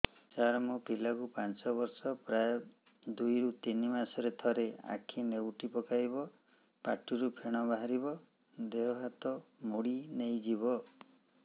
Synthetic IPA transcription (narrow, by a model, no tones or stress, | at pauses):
t͡ʃaɾɔmopilakupant͡ʃɔβɔɾsɔpɾaj | d̪ujɾut̪inimasɔɾet̪ʰɔɾea̰kʰinewʈipɔkajbɔ | pa̰ʈuɾupʰeɽ̃ɔbaɦaɾibɔ | d̪eɦɔɦat̪ɔmoɽinejd͡ʒiβɔ